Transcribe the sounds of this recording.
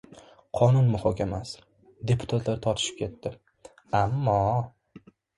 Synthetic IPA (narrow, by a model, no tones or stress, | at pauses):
qʰɒnʊnmʊhɒkʲʰamas | d̪e̞pʰʊ̥t̪ʰat̪ʰlaɾt̪ʰɒt̪ʰɪ̥ʃɪ̥p̚kʲʰe̞t̪ːɪ | amːɒ